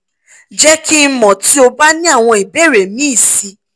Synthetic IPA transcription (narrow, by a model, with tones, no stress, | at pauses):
d͡ʒɛ˦kʰi˦mɔ̃˨ti˨˦o˧ba˦nĩ˦a˦˨w̃ɔ̃˧i˨be˦˨ɾe˨mĩ˦i˦˨si˧